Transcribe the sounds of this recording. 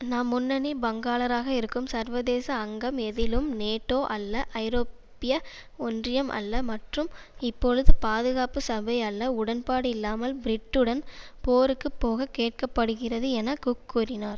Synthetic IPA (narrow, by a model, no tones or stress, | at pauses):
naːmːʊnːɐnibɐŋɡaːlɐɾaːɣɐɪɾɯkːɯmsɐɾʋɐðeːsɐːŋɡɐmɛðɪlɯmneːʈːoːʔɐlːɐʔɐɪɾoːpː | ɪjɐ | ɔndrɪjɐmʔɐ̰lːɐmɐʈrɯm | ɪpːoɻɯðɯpaːðɯɣaːpɯsɐbɐjɐlːɐʊɽɐnpaːɽɯɪlːaːmɐlbɾɪʈːɯɽɐnpoːɾɯkːɯpːoːɣɐkeːʈ̚kɐpːɐɽɯɣɪrɐðɯɛnɐkukːuːrɪnaːɾ